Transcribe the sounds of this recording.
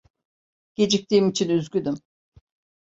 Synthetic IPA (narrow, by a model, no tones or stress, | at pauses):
ɟ̥e̞d͡ʒic̚t̪ʰiːmit͡ʃʰinyzɡʲyd̪ym